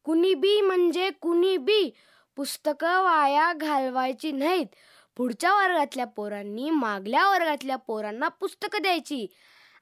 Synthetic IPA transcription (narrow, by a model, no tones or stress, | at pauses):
kunibiːm̤əɳd͡ʑekuniːbiː | pust̪əkəʋajaɡʱalʋajt͡ɕiːnait̪ | puɽt͡ɕaʋəɾɡat̪ljapoɾãnːiːmaɡljaʋəɾɡat̪ljapoɾanːapust̪əkd̪jajt͡ɕiː